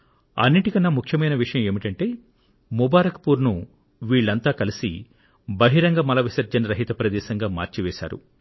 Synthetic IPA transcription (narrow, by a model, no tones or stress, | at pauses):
ɐ̰nːiʈikɐnːaːmukʰjɐmɐjnɐʋiʂɐjɐme̞ːmiʈɐɳʈe̞ː | mubaːɾɐkɐpuːɾnu | ʋiːɭːɐnt̪aːkɐlisḭ | bɐɦiɾɐŋɡɐmɐlɐʋisɐɾd͡ʒɐnɾɐɦit̪ɐpɾɐd̪ɛːsɐŋɡaːma̰ːɾt͡ʃiʋɛːʃa̰ːɾṵ